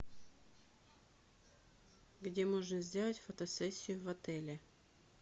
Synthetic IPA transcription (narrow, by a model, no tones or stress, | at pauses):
ɡdʲemoʐnəzʲdʲelˠətʲfət̪ɐsɛsʲːɪjʊvɐt̪ɛlʲɪ